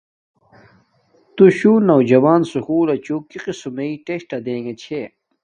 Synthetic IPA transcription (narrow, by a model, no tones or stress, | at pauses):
t̪uɕuːnɐwd͡ʑɐwaːnsukuːlɐt͡ɕuːkiqisumeiʈeɕʈɐd̪ẽːŋɡet͡ɕʰe